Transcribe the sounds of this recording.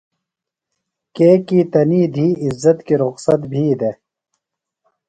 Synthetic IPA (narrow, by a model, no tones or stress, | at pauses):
keːkit̪ɐniːd̪ʱiːɪzːɐt̪kiɾʊqsɐt̪bʱiːd̪eː